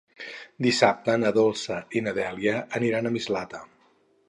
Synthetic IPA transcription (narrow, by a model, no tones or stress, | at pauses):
d̪isap̚t̪ənəðolˠsəinəðɛliəːniɾanəmizlat̪ə